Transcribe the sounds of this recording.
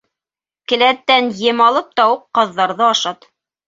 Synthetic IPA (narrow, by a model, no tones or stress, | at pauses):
kɘ̆læt̪ːænjɘ̆mɑlˠɤp̚t̪ɑwuqːɑðːɑɾðɤɑʃɑt̪